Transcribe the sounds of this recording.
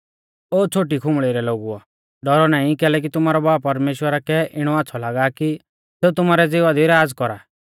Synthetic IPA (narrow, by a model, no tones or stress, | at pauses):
oːt͡ʃʰoːʈikʰʊmɭɪɾɛloːɡuɔ̰ | ɖɔɾɔnaːĩkɛːlɛk̬it̪ʊmaːɾɔbaːpɐɾmeːʃwəɾakɛʔɪɽ̃ɔatːsʰɔlaːɡaki | seːut̪ʊmaːɾɛd͡zɪʋad̪iɾaːd͡zkɔɾa̰ː